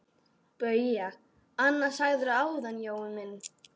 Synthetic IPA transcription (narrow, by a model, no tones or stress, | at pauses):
pœɥja | anːasaɣðʏɾʏaːwðanjoːwʏmɪnː